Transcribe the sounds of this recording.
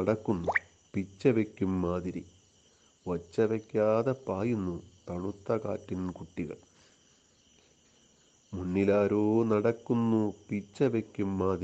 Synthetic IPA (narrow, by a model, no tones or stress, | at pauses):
ɐɽɐkːunːu | pit͡ɕːɐʋekʲːumːaːðiɾi | ʋɐt͡ɕːɐʋekʲːaːðɐpaːjunːut̪ɐɳut̪ːɐka̰ːtːinkuʈːiɣɐ̰ɭ | munːilaːɾoːnɐɽɐkːunːupit͡ɕːɐʋekʲːumːaːd̪i